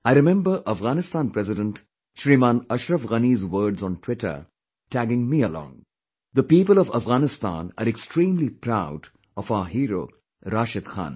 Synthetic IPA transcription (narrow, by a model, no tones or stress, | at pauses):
aɪɾɪmɛ̃mbəɾʔəfɣaːnɪst̪ãːnpɾɛzɪɖə̃nʈ | ʃɾimãːnʌʃɾəfɣɐnizwəːɖzɔ̃nʈʰw̥ɪʈə̰ | ʈʰæɡɪ̃ŋmiəlɔ̰̃ːŋ | d̪əpiːpəlɔvəfɣaːnɪst̪ã̰ːna̰ɾɛksʈɾĩːmlipɾaʊɖ | ɔfaːɦiːɾo̰ː | ɾaːʃɪd̪xã̰ːn